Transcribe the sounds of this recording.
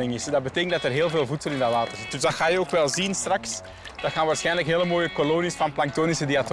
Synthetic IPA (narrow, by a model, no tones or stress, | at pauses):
ɪŋɪsdɑdbəteːkəntdɑtərɦeːlˠveːlˠvutsəlˠɪndalaːtərzɪtdʏzdɑxaːjəoːkʋɛlˠzinstrɑks | d̥ɑtxaːnʋaːɹsxɛjnləkɦeːləmoːjəkoloːnisfɑnplɑŋk̚toːnisədiat